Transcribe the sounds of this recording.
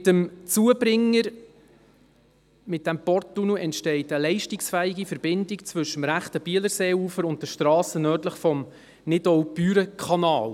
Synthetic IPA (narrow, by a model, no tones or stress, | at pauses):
t̪əmt͡suəbɾɪŋːəɾ | mɪt̚d̥æmpɔrt̚ːunuʔɛntʃtɛɪtəlɛɪʃtiksfæːɪɡifəɾbɪndɪkt͡svɵʃəmɾæχtəb̥iələɾseːuːfəɾʊnt̚dəʃtɾɑːsənœːrtləχfɔm | nɪdɔʊbyːɾəkʰχɑnɑːl